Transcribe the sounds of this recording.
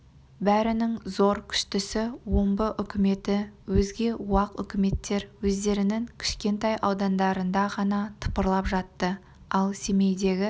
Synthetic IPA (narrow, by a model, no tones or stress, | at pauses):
bæɾɪnɪŋzo̞ɾkʲʰʏ̥ʃt̪ɪsɪwombəʔʏkʲɪme̞t̪ɪwɵzɡʲe̞uɑqʏ̰kʲɪme̞t̪ːe̞ɾwɵzd̪e̞ɾɪnɪŋkʲʰɪ̥ʃkʲe̞nt̪ɑjʔɑwd̪ɑnd̪ɑɾənd̪ɑʁɑnɑt̪ʰə̥pəɾlˠɑpʒɑt̪ːə | ɑlˠse̞me̞jd̪e̞ɡʲɪ